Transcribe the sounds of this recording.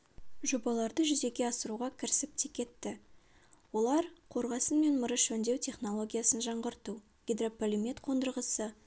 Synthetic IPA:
ʒo̞bɑlˠɑɾd̪əʒʏze̞ɡʲe̞ɑsəɾuʁɑkʲʰɪɾɪsɪp̚t̪ʰekʲe̞t̪ːɪ | wo̞lˠɑɾqʰo̞ɾʁɑsənme̞nməɾəʃɵnd̪e̞wt̪ʰʲe̞χno̞lˠo̞ɡʲijasənʒɑɴʁəɾt̪u | ɡʲed̪ro̞polʲimet̪qʰo̞nd̪əɾʁəsə

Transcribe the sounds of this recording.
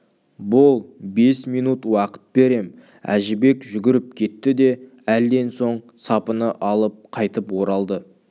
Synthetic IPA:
bʊlˠbe̞smijnut̪wɑqə̥t̪̚be̞ɾe̞m | æ̰ʒɪbe̞kʒʏɡʲɪɾɪp̚kʲʰe̞t̪ːɪd̪e̞ | æld̪e̞nso̞ɴ | sɑpənəʔɑlˠəp̚qʰɑjt̪əpwo̞ɾɑlˠd̪ə

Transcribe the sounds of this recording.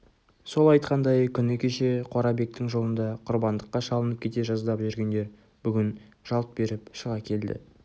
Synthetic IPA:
so̞lˠɑjt̪̚qɑnd̪ɑjkʲʰʏnɪkʲʰe̞ʃe̞qʰoɾɑbe̞k̚t̪ɪŋʒo̞lˠənd̪ɑqʰʊɾbɑnd̪əqːɑʃɑlˠənəp̚kʲʰe̞t̪eʒɑzd̪ɑpʒʏɾɡʲe̞nd̪e̞ɾ | bʏɡʲɪnʒ̥ɑlˠt̪̚be̞ɾɪpʃəʁɑkʲʰe̞ld̪ɪ̰

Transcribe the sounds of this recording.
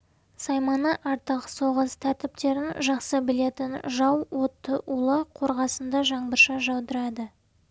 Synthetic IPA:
sɑjmɑnəʔɑɾt̪əqəso̞ʁəst̪ʰæɾt̪ɪp̚t̪e̞ɾɪnʒɑqsəbɪle̞t̪ɪnʒɑwwo̞t̪ːəʔulˠəqʰo̞ɾʁɑsənd̪ɑʒɑɴbəɾʃɑʒɑwd̪əɾɑd̪ə

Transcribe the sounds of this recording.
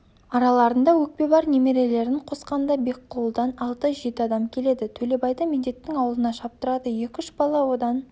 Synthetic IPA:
ɑɾɑlˠɑɾənd̪ɑwɵk̚pe̞bɑɾne̞me̞ɾe̞le̞ɾɪŋqʰo̞sqɑnd̪ɑbe̞kʰːolˠd̪ɑnɑlˠt̪əʒe̞t̪ɪɑd̪ɑmkʲʰe̞le̞d̪ɪt̪ʰɵle̞bɑjd̪ɑmed̪e̞t̪ːɪŋɑwəlˠənɑʃɑp̚t̪əɾɑd̪əje̞kʲʏʃbɑlˠɑwo̞d̪ɑn

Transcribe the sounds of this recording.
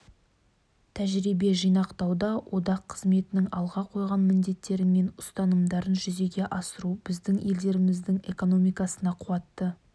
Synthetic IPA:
t̪ʰæʒɾibe̞ʒijnɑqt̪ɑwd̪ɑwʔo̞d̪ɑqʰːəzme̞t̪ɪnɪŋɑlˠʁɑqʰojʁɑnmɪnd̪e̞t̪ːe̞ɾɪme̞nʊst̪ɑnəmd̪ɑɾənʒʏze̞ɡʲe̞ʔɑsəɾubɪzd̪ɪŋe̞ld̪e̞ɾɪmɪzd̪ɪŋe̞ko̞no̞mijkɑsənɑqʰʊwɑt̪ːə

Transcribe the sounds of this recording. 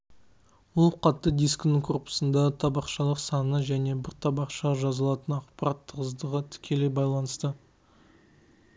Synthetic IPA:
wʊlˠqʰɑt̪ːəd̪ijsknəŋkʰorpə̥sənd̪ɑt̪ʰɑbɑqʃɑlˠəqsɑnəʒæne̞bɪɾt̪ʰɑbɑqʃɑʒɑzɑlˠɑt̪ənɑqpɑɾɑt̪ʰːəʁəzd̪əʁət̪ʰɪ̥kʲʰe̞le̞bɑjlˠɑnəst̪ə

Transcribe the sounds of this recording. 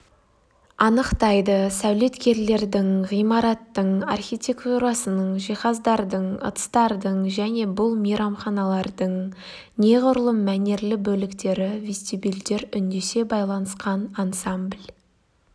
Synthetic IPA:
ɑnəqt̪ɑjd̪əsæwle̞t̪kʲe̞ɾle̞ɾd̪ɪŋʁijmɑɾɑt̪ːəɴarxʲijt̪ʲe̞kt̪uɾɑsənəɴʒijχɑzd̪ɑɾd̪əɴə̰t̪st̪ɑɾd̪əɴʒæne̞bʊlˠmijɾɑmχɑnɑlˠɑɾd̪əɴ | ne̞ʁʊɾəlˠəmæne̞ɾlɪbɵlɪkt̪e̞ɾɪvʲest̪ibild̪e̞ɾʏnd̪e̞se̞bɑjlˠɑnəsqɑnansamblʲ

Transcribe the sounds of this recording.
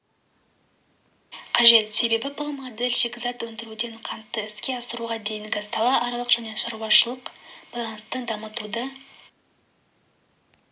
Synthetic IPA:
qʰɑʒe̞t̪se̞be̞bɪbʊlˠmod̪e̞lʲʃekʲzɑt̪wɵnd̪ɪɾud̪e̞ɴqʰɑnt̪ːəɪskʲe̞ɑsəɾuʁɑd̪e̞jɪŋɡast̪ɑlˠɑʔɑɾɑlˠəqʒ̥æne̞ʃɑɾwɑʃəlˠəqb̥ɑlˠɑnəst̪əd̪ɑmət̪ud̪ə

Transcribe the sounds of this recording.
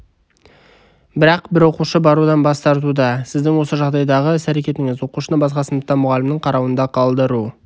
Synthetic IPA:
bɪɾɑqbɪɾwo̞quʃəbɑɾud̪ɑnbɑst̪ɑɾt̪ud̪ɑsɪzd̪ɪŋwo̞səʒɑʁd̪ɑjd̪ɑʁəsæɾe̞kʲe̞t̪ɪŋɪzwo̞quʃənəbɑsqɑsənd̪əqt̪ɑnmʊʁɑlɪmnəɴqʰɑɾɑwənd̪ɑqʰɑlˠd̪əɾu

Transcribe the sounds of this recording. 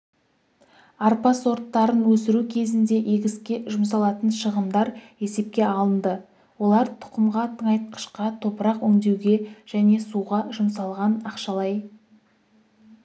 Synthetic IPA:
ɑɾpɑso̞ɾt̪ːɑɾənwɵsɪɾukʲʰe̞zɪnd̪e̞ʔe̞ɡʲɪskʲeʒʊmsɑlˠɑt̪ənʃəʁəmd̪ɑɾe̞se̞p̚kʲe̞ɑlˠənd̪ə | wo̞lˠɑɾt̪ʰʊ̥qəmʁɑt̪ʰəɴɑjt̪̚qʰə̥ʃqɑt̪ʰo̞pəɾɑqwɵŋd̪e̞wɡʲe̞ʒ̥æne̞suʁɑʒʊmsɑlˠʁɑnɑqʃɑlˠɑj

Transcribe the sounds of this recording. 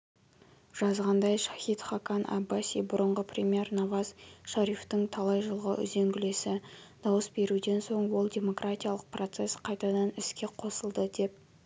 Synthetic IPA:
ʒ̥ɑzʁɑnd̪ɑjʃɑ̥xit̪χakɑnʔɑ̰bːasʲibʊɾəɴʁəprʲemʲije̞rnɑvɑzʃɑɾift̪əŋt̪ʰɑlˠɑjʒəlˠʁəʔʏ̰ze̞ŋɡʲɪle̞sɪd̪̥ɑwəsbe̞ɾud̪e̞nso̞ɴwo̞lˠdʲe̞mo̞krat̪ʲijalˠəq̚pro̞t̪se̞sqʰɑjt̪ɑd̪ɑnɪskʲe̞qʰo̞səlˠd̪əd̪e̞p̚

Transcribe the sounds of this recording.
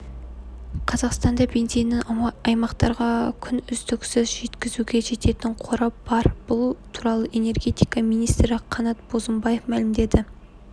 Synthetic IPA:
qʰɑzɑqst̪ɑnd̪ɑbe̞nzijnːɪŋɑjmɑqt̪ɑɾʁɑkʲʰʏnʏzd̪ɪksʏzʒe̞t̪kʲɪzuɡʲe̞ʒe̞t̪e̞t̪ɪɴqʰo̞ɾɑpb̥ɑɾb̥ʊlˠt̪ʰuɾɑlˠəʔe̞ne̞rɡʲe̞t̪ijkɑmijnijst̪ɾɪqʰɑnɑt̪̚b̥o̞zəmbɑje̞fmælɪmd̪e̞d̪ɪ

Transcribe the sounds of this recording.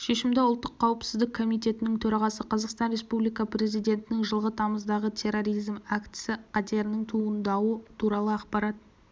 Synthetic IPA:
ʃe̞ʃɪmd̪eʊlˠt̪ːəqʰːɑwəpsɪzd̪ɪkʰːo̞mijt̪e̞t̪ɪnɪŋt̪ʰɵɾɑʁɑsəqʰɑzɑqst̪ɑnɾe̞spublijkɑpɾe̞zijd̪ʲe̞nt̪ɪnɪŋʒəlˠʁət̪ʰɑməzd̪ɑʁət̪ʰe̞ɾo̞ɾijzmakt̪sɪqʰɑt̪e̞ɾɪnɪŋt̪ʰuənd̪ɑwət̪ʰuɾɑlˠəɑqpɑɾɑt̪̚

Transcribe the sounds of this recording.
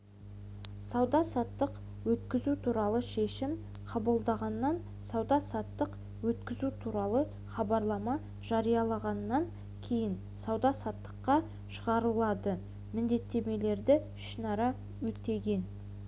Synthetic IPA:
sɑwd̪ɑsɑt̪ːəq | wɵt̪kʲɪzut̪ʰuɾɑlˠəʃe̞ʃɪm | qʰɑbəlˠd̪ɑʁɑnːɑn | sɑwd̪ɑsɑt̪ːəq | wɵt̪kʲɪzut̪ʰuɾɑlˠə | χɑbɑɾlˠɑmɑ | ʒ̥ɑɾijɑlˠɑʁɑnːɑŋ | kʲʰe̞jɪn | sɑwd̪ɑsɑt̪ːə̥qːɑ | ʃəʁɑɾəlˠɑd̪ə | mɪnd̪e̞t̪ːe̞me̞le̞ɾd̪ɪ | ʃənɑɾɑ | wɵt̪e̞ɡʲe̞n

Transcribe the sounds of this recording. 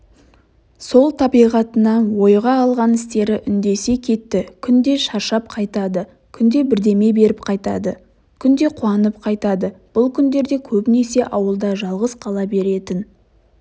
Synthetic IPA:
so̞lˠt̪ʰɑbijʁɑt̪ənɑnwo̞jʁɑːlˠʁɑnɪst̪e̞ɾɪʔʏnd̪e̞se̞kʲʰe̞t̪ːɪkʲʰʏnd̪e̞ʃɑɾʃɑp̚qʰɑjt̪ɑd̪ə | kʲʰʏnd̪e̞bɪɾd̪e̞me̞be̞ɾɪpqʰɑjt̪ɑ̰d̪ə | kʲʰʏnd̪e̞qʰuɑnəpqʰɑjt̪ɑd̪əb̥ʊlˠkʲʰʏnd̪e̞ɾd̪e̞kʲʰɵbɪne̞se̞ʔɑwəlˠd̪ɑʒɑlˠʁəzqʰɑlˠɑbe̞ɾe̞t̪ɪn

